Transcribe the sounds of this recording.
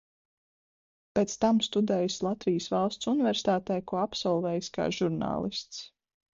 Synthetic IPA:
peːt̪st̪amst̪ud̪ɛːjslˠat̪vijəsvalˠst̪sunivɛɾsi̥t̪aːt̪ɛjkuɔapsɔlˠvɛːjska̰ːʒuɾna̰ːlˠist̪s

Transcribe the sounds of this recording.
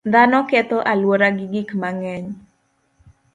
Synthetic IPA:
d̪anɔkɛt̪ɔʔalwoɾaɡɪɡɪkmaŋɛɲ

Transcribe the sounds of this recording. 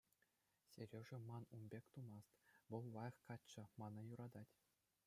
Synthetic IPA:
sʲeɾʲeʐɘ̆mɑnumʲbʲekʲt̪umɑst̪ʋɤ̆lˠʋɑj̆χkɑt͡ɕːɤ̆mɑnɑ̆juɾɑd̪ɑtʲ

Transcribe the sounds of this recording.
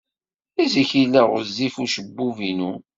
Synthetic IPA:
iziçilæʁʊ̰ɾzifuʃəbːuvinu

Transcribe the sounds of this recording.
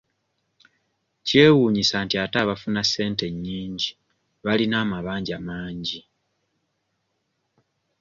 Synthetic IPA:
ce̞ːwuːɲisaːntiataβafunase̞ːnte̞ɲːiːɲɟi | βalinaːmaβaːɲɟamaːɲɟi

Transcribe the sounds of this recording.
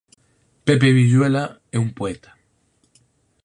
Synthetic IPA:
pep̬eβiʎwela | eumpoet̪ʰḁ

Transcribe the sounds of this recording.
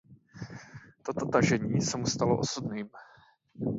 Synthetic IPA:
t̪o̞t̪o̞t̪aʒɛɲiːsɛmust̪alo̞ʔosubniːm

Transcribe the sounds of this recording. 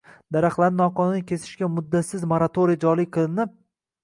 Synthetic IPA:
d̪aɾaχlˠaɾnɪnɒqɒnɪnɪkʲʰe̞sɪ̥ʃkʲamʊd̪ːat̪sɪzmoɾat̪ʰoɾijad͡ʒɒliqʰɨlˠɪnɪp̚

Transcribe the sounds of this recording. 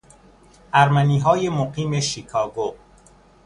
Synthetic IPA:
ʔæɾmæniːɦɒːjemoɢiːme̞ʃikʰɒːɡo

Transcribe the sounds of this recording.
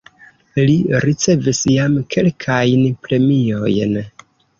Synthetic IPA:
liɾit͡se̞visjamkʰe̞lkʰajnpɾe̞mio̞jn

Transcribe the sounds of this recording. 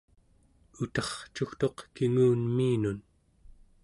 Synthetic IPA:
ut̪ɑχt͡ʃuxt̪o̞qkiŋuːnmiːnun

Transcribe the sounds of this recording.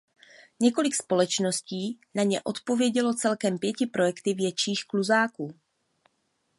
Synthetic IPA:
ɲɛko̞lɪkspo̞lɛt͡ʃno̞sciːnaɲɛʔo̞t̪po̞vjɛɟɛlo̞t͡sɛlkɛmpjɛcɪpɾo̞jɛkt̪ɪvjɛt͡ʃiːxkluzaːkuː

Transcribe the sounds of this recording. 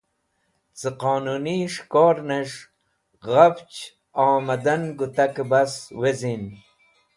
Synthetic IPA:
t͡səqoːnuniʂkoːɾneʂ | ɣaft͡ɕ | aːmɐd̪anɡut̪akbaswezin

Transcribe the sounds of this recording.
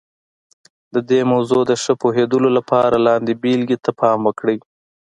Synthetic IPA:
d̪əd̪emawzod̪əʂəpoɦed̪əlolapʰɑɾalɑnd̪ebilɡit̪ːapʰɑmwəkɽəj

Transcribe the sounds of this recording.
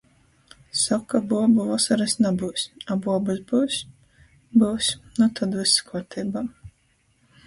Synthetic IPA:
sɔkːabuɔbuvasaɾɛsnabuːsʲabuɔbuzbuːsʲ | buːsʲnut̪ad̪viskɔɾt̪ʰiːbaː

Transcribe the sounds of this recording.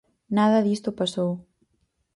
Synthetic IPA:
naðəðist̪opaso

